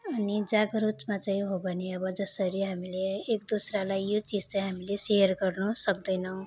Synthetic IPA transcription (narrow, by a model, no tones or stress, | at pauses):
ʌnid͡zaɡʌɾutmat͡saĩɦobʱʌneʌbʌd͡zʌsʌɾiɦamileːkd̪osralajjot͡sid͡zt͡saj̃ɦamilesejʌrɡʌrnʌsʌkd̪ʌjnʌw̃